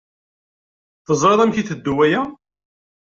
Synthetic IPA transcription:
θəzˤɾeðˤæmçiθəd̪ːuwæjæ

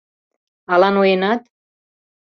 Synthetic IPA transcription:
ɑlɑnojenɑt̪

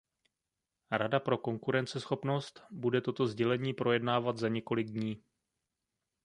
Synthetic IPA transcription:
ɾadapɾo̞ko̞ŋkuɾɛnt͡sɛsxo̞pno̞st̪budɛt̪o̞t̪o̞zɟɛlɛɲiːpɾo̞jɛdnaːvat̪zaɲɛko̞lɪɡ̚dɲiː

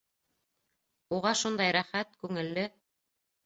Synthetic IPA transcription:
uʁɑʃund̪ɑjɾæχæt̪kʉŋɘ̆lːɘ

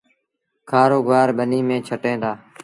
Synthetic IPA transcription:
kʰaːɾoːɡaːɾɓəniːmẽːt͡ʃʰəʈẽːd̪aː

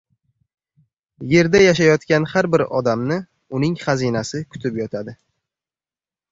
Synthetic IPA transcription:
je̞ɾd̪ajaʃ̬ajɒt̪kʲanhaɾbɪɾɒ̰d̪amnɪ | ʊnɪŋχazinasɪkʰʊ̥t̪ʰɪpjɒt̪ʰad̪ɪ

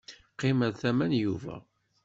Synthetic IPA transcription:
qːɪmæðθæmænjuvæ̰

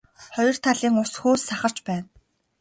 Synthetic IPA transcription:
χɔjɞ̆r̥t̪ʰaɮiːŋʊsxuːsaχə̆r̥t͡ɕpæːn

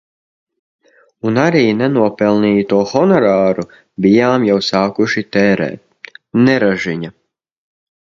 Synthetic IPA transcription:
unaɾiːnɛnuɔpɛlˠniːt̪uɔxɔnɔɾaːɾu | bijaːmjawsaːkuʃit̪ɛːɾɛ̰ː | nɛɾaʒiɲa

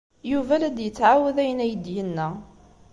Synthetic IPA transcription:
juvælæd̪jət͡sːʕawəðæjənæjəd̪jənːæ

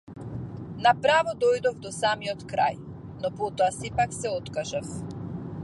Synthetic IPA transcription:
napɾavɔd̪ɔjd̪ɔvd̪ɔsamiɔt̪kɾa̰j | nɔpɔt̪ɔasɛpaksɛɔt̪kaʒaf

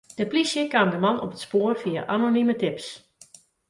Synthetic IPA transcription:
d̥əplisjəkaːmdəmanɔpətspoːrfiaʔanonimətɪps

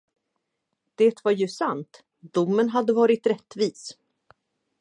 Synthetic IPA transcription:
d̪̥eːt̪vaɾjɵsant̪ | d̪ʊmːənɦad̪ːəvɑːɾɪt̪ɾɛt̪ːviːs

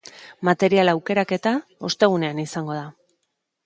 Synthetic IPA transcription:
mat̪e̞ɾialawke̞ɾake̞t̪ao̞st̪e̞ɣ̞une̞anisaŋɡo̞ð̞a

